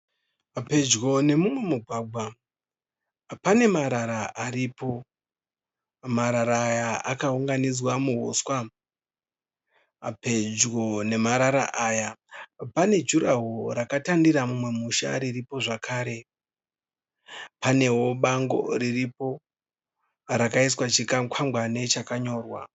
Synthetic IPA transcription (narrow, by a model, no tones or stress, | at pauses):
ape̞d͡ʒɡo̞ne̞mumwe̞muɡʱwaɡʱwa | pane̞maɾaɾaʔaɾipo̞ | maɾaɾaːjaakauŋɡanid͡zwamuɦo̰ːswa | pe̞d͡ʒɣo̞ne̞maɾaɾa̰ʔaːjapane̞d͡ʒuɾaɦoɾakatandiɾamumwe̞muʃa̰ɾiripo̞ʐakʰaːɾe̞ | pane̞ɦwo̞ɓaŋɡo̞̰ɾiripo̞ | ɾakaiswat͡ʃikakwʰaŋɡwane̞t͡ʃakaɲo̞ːrwa̰